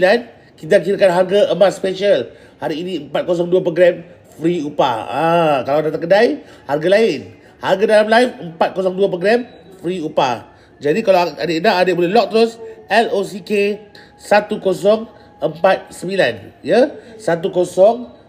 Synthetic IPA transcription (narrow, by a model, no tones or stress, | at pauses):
lan | kit̪̬ak̬iɾakanɦarɡaʔəmat̪spɛʃal | haɾiːnĩəmpat̪̚kos̬ɔŋduap̬ɾoɡɾɛm | fɾiupa̰akalawdat̪̬akədaj | harɡalaɪn | harɡadalamlajfəmpat̪̚kosɔŋduapɾoɡɾɛm | fɾiupa | d͡ʒadikalaaadenaadeʔbolɛlɔk̚t̪ɾosɛlosike | sat̪ukosɔŋ | əmpat̪̚səmilanjəsat̪̬ukosɔŋ